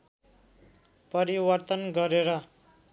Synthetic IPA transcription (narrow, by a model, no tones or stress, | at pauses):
pʌɾiwʌrt̪ʌnɡʌɾeɾʌ